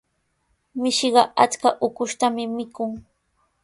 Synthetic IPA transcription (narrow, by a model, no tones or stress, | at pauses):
mɪʃɢɑʔat͡skaʔʊkʊʃt̪amɪmɪkʊŋ